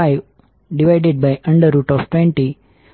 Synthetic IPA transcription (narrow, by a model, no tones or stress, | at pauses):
ɪ | ɖiʋaɪɖeɖ̚baɪʔʌ̃ɳɖəɾuːʈɔʋʈʋɛ̃ɳʈi